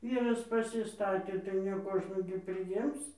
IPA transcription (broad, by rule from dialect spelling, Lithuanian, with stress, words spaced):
ˈʋʲiːrɐs pɐsʲɪˈstɑːtʲeː tɐɪ nʲɛ ˈkoːʒnuː ɡʲɪ pʲrʲɪˈjɪms